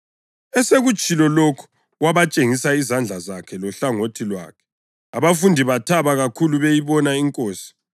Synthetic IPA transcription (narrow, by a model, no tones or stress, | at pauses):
ɛseɣut͡ʃʼilɔlokʰu̥ | ɣwaβat͡ʃʼeŋisaizand͡ɮʱazakʰɛlɔɬaŋotʰilwa̰ːkʰɛ̥ | aβafundʱiβatʰaβaɣakʰuluβejiβɔnaiŋkʼoːsi̥